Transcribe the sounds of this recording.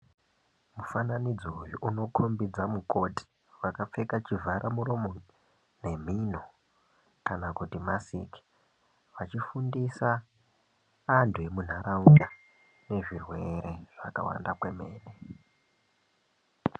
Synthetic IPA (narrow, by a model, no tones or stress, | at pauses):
mufananid͡zojuʔuno̞kʰombid͡zamuko̞ti̥ | ʋakap͡fe̞kat͡ʃivʱaɾʔamuɾo̞mo | ne̞m̤ino | kanakutimasḭki̥ | ʋat͡ʃifundisa | ntʰuemun̤aɾauja | ne̞ʐirwe̞ɾe̞ʐ̥a̰ka̰wa̰ndakwe̞me̞ːne